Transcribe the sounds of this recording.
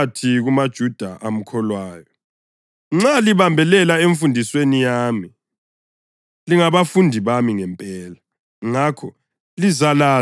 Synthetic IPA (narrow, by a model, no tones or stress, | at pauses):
tʰiɣumad̥ʒ̥ʱud̥ʱaʔam̩kʰɔlwaːjɔ | ŋ͡ǁaliβambʱɛlɛlaeɱfundʱiswenijaːmi | liŋaβafundʱiβamiŋɛmpʼɛːla | ŋaːkʰɔ | lizala